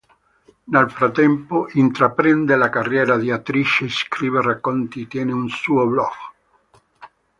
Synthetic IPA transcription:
nelfɾat̪ːɛmpoʔint̪ɾapɾɛnd̪elakarjɛːɾad̪iat̪ɾit͡ʃeskɾiːβerakːont̪it̪ːjɛːneunsuoblɔɡ

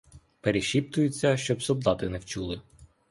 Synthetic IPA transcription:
peɾeʃʲip̚t̪ʊjʊt͡sʲːɐʃt͡ʃɔbsɔd̪ɑt̪ɪnɛwt͡ʃulˠɪ

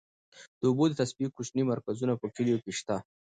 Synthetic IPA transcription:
d̪̥əʊbod̪ət̪asbikːut͡ʃnimaɾkazunapəkɪlijokeʃt̪a

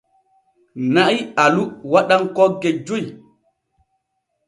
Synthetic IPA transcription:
naʔialuwaɗaŋkɔɡed͡ʒuj

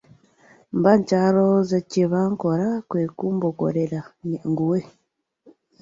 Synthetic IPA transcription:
mbaɲcalozeciβaŋkoɾakwekuːmboko̰ɾeɾaɲŋɡuwe

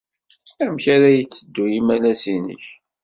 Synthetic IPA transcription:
æmçaɾæjət͡sːəd̪ːujimælæsinə̰ç

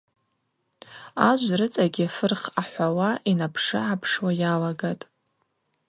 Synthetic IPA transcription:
aʒʷrɨt͡sʼaɡʲiafɨrχaħʷawaʔinapʰʂɨ̰ʕapʰʂwajalaɡatʼ

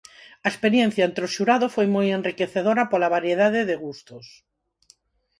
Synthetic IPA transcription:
ɐespeɾjɛn̟θjɐent̪ɾoʃuɾaðofojmojenrrikeθeðoɾɐpolaβaɾjeðaðɪðeɣust̪ʊs

